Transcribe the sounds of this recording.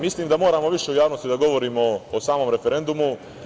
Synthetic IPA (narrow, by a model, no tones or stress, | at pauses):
misliːmd̪amoːɾaːmo̞ʋiʃeujaːʋno̞st̪id̪aɡo̞ʋo̞ɾiːmo̞ːsaːmo̞mɾe̞feɾe̞nd̪umu